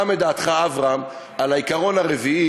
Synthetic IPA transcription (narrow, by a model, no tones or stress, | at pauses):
amed̪aːt̪χaavʁam | alaikaʁo̞naʁe̞vii